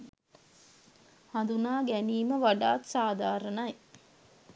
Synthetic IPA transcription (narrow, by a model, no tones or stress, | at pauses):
hand̪unaːɡæniːməʋaɖaːt̪saːd̪aːɾənɐj